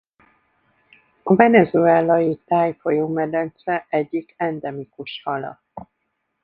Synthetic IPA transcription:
ɒvɛnɛzuɛlɒjit̪aːjfojoːmɛd̪ɛnt̪sɛʔɛɟːikɛnd̪ɛmikuʃhɒlɒ̰t̪ː

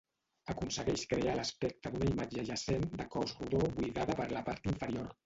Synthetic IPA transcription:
əkunsəɣɛʃkɾealəspɛk̚t̪əd̪unəimad͡ʒəʒəsend̪əkɔzruðoβujɣaðəpəɾləpaɾt̪iɱfəɾioɾ

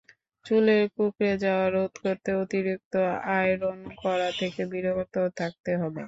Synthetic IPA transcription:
t͡ɕuleɾkukɾed͡ʑaoaɾod̪ʱkoɾt̪eot̪iɾik̚t̪oaeɾonkɔɾat̪ʰekebiɾokot̪ot̪ʰak̚t̪eɦɔbḛ

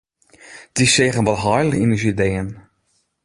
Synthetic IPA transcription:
d̥iseːɣənʋɔlˠɦɔjləinəsideːən

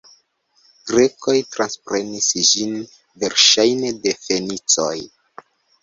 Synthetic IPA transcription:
ɡ̥ɾe̞ko̞jtɾanspɾe̞nisd͡ʒin | ve̞ɾʃajne̞de̞fe̞nit͡soj

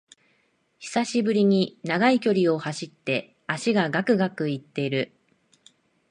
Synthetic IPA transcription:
çi̥saɕibɯ̟ɾʲiɲ̟inaɡaikʲo̞ɾʲio̞haɕit̪ːe̞ | aɕiɡaɡakɯ̟ɡakɯ̟it̪ːe̞iɾɯ̟

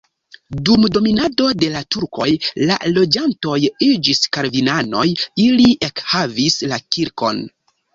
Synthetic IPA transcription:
dumdo̞minado̞de̞latuɾko̞̰jla̰lo̞d͡ʒanto̞jid͡ʒiskaɾvinano̞jiliiʔekhavislakiɾko̞̰n

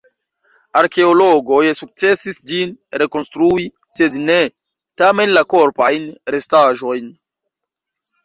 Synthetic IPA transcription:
aɾke̞oloɡojsuk̚t͡se̞sisd͡ʒinɾe̞ko̞nstɾui | se̞dne | tame̞nlako̞ɾpajnɾe̞staʒo̞jn

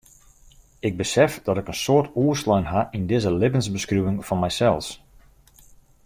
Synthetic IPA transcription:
ɪɡ̚bəsɛfdɔtɪkənsoːrtuəslœɥnɦaʔindɪzəlɪbənzbəskryʋɪŋfɔnmɛjsɛlˠs

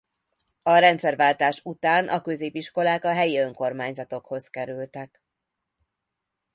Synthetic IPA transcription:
ɒɾɛnt̪sɛrvaːlt̪aːʃut̪aːnʔɒ̰kø̞zeːpiʃko̞laːkɒɦɛjiø̞ŋko̞rmaːɲzɒt̪o̞kho̞zkɛɾylt̪ɛk

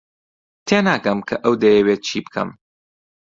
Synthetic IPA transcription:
t̪ʰeːnaːɡɐmkʰɐʔɐwd̪ɐjɛweːt̪̚t͡ʃʰiːbɨkʰɐ̰m

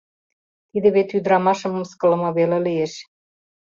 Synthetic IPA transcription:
t̪id̪ĕβet̪yd̪ɾɑmɑʃɤ̆mɤ̆mskɤ̆lɤ̆mɤβelelijeʃ

